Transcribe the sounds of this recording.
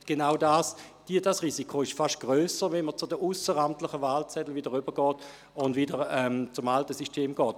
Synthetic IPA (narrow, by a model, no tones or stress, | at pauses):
ɡ̥enaʊdaːsd̥idasʁiːsikʰoɪʃfaʃt̚ɡ̥ʁøːsəvɛnmət͡sʊdəʔusəʁamtlɪχəvaːlt͡sɛdl̩vidəʁʏbəɡɔːt | ʊndvidəʁɛmt͡sʊmaltəsystʰeːmɡɔːt